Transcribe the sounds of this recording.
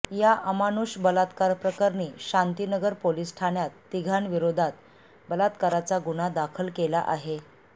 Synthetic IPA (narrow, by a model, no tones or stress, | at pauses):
jaʔəmanuɕbəlat̪kaɾpɾəkaɾniːɕant̪inəɡəɾpoliːsʈʰaɳjat̪ːiɡʱaɳʋiɾod̪ʱat̪ | bəlat̪kaɾat͡saɡuɽ̃ad̪akʰəlkela̰ʔaɦe